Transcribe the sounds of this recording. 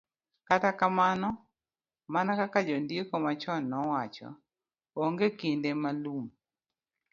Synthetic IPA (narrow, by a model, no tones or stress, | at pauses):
katakamanɔ | manakakad͡ʒɔndekɔmat͡ʃɔnːɔwat͡ʃɔ̰ | oŋɡekindemalum